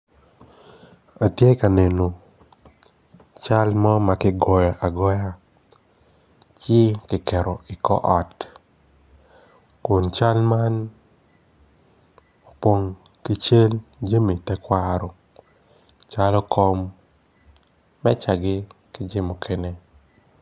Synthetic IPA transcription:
a˨tje˦ka˨ne˨no˨ | t͡ʃa˦lmɔ˦ma˨kɪ˦ɡɔ˨jɔ˨ʔa˨ɡɔ˦ja˦ | t͡ʃɪ˦kɪ˨kɛ˨ɾɔ˨ɪ˨kɔ̰˦ʔɔ˨t | kʊ˨nt͡ʃa˦lma˦n | o˨pwo˦ŋkɪ˦t͡ʃe˦ld͡ʒe˦mi˨tɛ˦kwa˦ɾɔ˨ | t͡ʃa˦lɔ˦kʰɔ˦m | ɛ˦t͡ʃa˨ɡɪ˦ | kɪ˦d͡ʒɪ˦mo˨kʰe˦ne˦

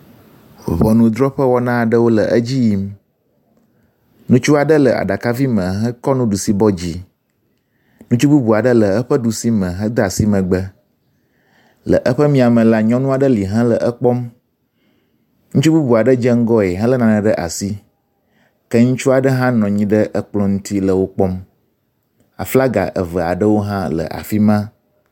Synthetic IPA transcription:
βɔ˨nũ˦d̪ɾɔ˦ɸə˦wɔ˦nã˦a˨ɖə˦wo˦lə̰˨ʔə˦d͡ʑi˦ji˦m | nũ˦t͡ʃu˦a˨ɖə˦lə˨a̰˨ɖa˨ka˦vi˦mə̃˨ɦə˦kɔ˦nũ˦ɖu˨si˨bɔ˦d͡ʑi˨ | nũ˦t͡ʃu˦bu˦bu˨a˨ɖə˦lə˨ə˦ɸə˦ɖu˨si˦mə̃˨ɦə˦d̪a˨si˦mə̃˨ɡ͡bə˦ | lə̰˨ʔə˦ɸə˦mĩ˦a˨mə̃˨la˦ɲɔ̃˦nũ˦a˨ɖə˦li˨ɦã˦lə˨ʔə˦k͡pɔ˦m | nũ˦t͡ʃu˦bu˦bu˨a˨ɖə˦d͡ʒə˦ŋ̩˦ɡɔ˦e˨ɦã˦lə˦nã˨nə̃˨ɖə˦ʔa̰˨si˦ | kə˦ŋũ˦t͡ʃu˦a˨ɖə˦ɦã˦nɔ̃˨ɲĩ˦ɖə˦ʔə˦k͡plɔ̃˦ŋũ˦t̪i˦lə˨wo˦k͡pɔ˦m | a̰˨fla˦ɡa̰˨ʔə̰˨və˨a̰˨ɖə˦wo˦ɦã˦lə̰˨ʔa̰˨fi˦mã˦

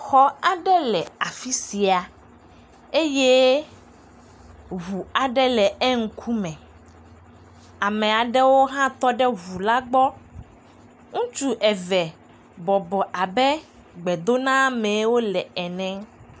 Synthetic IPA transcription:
xɔ˦a˨ɖɛ˦lɛ˨a˨fi˦si˨a˨ | e˦je˦ | ɦu˨a˨ɖɛ˦lɛ˨ɛ˦ŋ̩˦kʰu˦mɛ̃˨ | a˨mɛ̃˨a˨ɖɛ˦wo˦ɦã˦t̪ɔ˦ɖɛ˦βu˨la˦ɡ͡bɔ˦ | ŋũ˦t͡ʃu˦ʔɛ˨vɛ˨ | bɔ˨bɔ˨ʔa˨bɛ˦ | ɡ͡bɛ˨d̪o˦nã˦mɛ̃˨˦wo˦lɛ˨ɛ˨nɛ̃˦

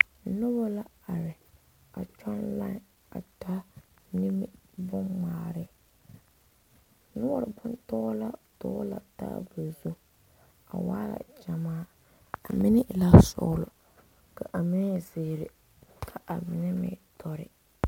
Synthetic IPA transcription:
nʊ˦bɔ˦la˦ | a˨ɾɪ˨ | a˨t͡ʃɔ˦nla˦n˨ | a̰˨ta˦ | nɪ˦mɪ˦bʊ˦maː˨ɾɪ˦ | nʊ˦bɔ˦ɾɪ˨bʊ˦ntɔ˦la˦tɔː˦la̰˨ta̰ː˦bʊ˨zu˦ | a̰˨waː˦la̰˨d͡ʒa˨maː˦ | a˨mɪ˦nɪ˦ʔla˦sʊ̰˨˦lʊ˨ | ka˨ʔa˨mɪ˦ɛ˦zɪ˨ɾɪ˨ | kʰa˨ʔa˨mɪ˨nɛ˦mɪ̰˦tʰɔ˦ɾɪ̰˦

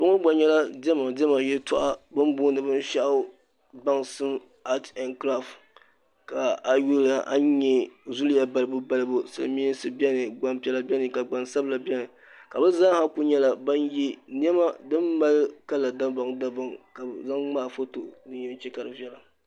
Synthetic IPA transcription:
bʊ˦ŋʊ˦ɡ͡ba˨ɲɛ˦la˦dɛ˦ma˨dɛ˦ma˨jɛ˦tʊ˦ʔa˦bɨ˦mbʊː˦nɨ˨bɨ˦n˦ʃa˦ʔ | ba˦ŋsɨ˦m | a˦tɛ˨nkɾa˦˨ft | ka˨a˨ju˦la˨ʔa̰˦ɲɛ˦zu˦lja˦ba˨lɨ˨˦bu˦ba˦lɨ˦bu˦sɨ̰˨lɨ̰˨˦mi˦sɨ˦bɛ˦nɨ˨ɡ͡ba˨mpɛ˦la˦bʲɛ˦nɨ˨ka˨ɡ͡ba˨nsa˦bla˨bʲɛ˦nɨ˨ | ka˨bɨ˦za˦ha˦ku˦ɲɛ˦la˦ba˦nji˦n˦ɛ˦ma˦dɨ˦mːa˦lka˦la˨da˦ba˨ŋda˦ba˨ŋka˨za˦ŋŋ͡maː˦˨fo˦to˨dɨ˦ɲjɛ˦n˦t͡ʃɛ˦ka˨ɾɨ˨bɛ˦la˨

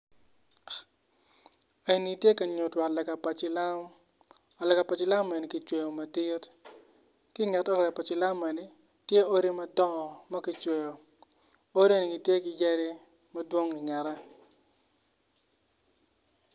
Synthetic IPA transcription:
e˨ni˨tje˦kɐ˨ɲo˨twa˨tlɛ˨ka˨pa˨t͡ʃɪ˦la˦m | ɔ˨lɛ˨ka˨pa˨t͡ʃɪ˦la˦me˨ni˨ki˨t͡ʃwe˨jo˨mɐ˨ti˦t | ki˦ŋɛ˨tɔ˦lɛ˨kpa˨t͡ʃɪ˨la˦me˨ni˨ | tje˦o˦ɾi˦mɐ˦tɔ˦ɔ˨mɐ˦ki˦t͡ʃwe˨jo˨ | o˦ɾi˦e˦ni˨ɡi˨tje˦kɪ˨je˦ɾi˦ | mɐ˦dwo˦ŋi˨ŋɛ˨ɾɛ˦

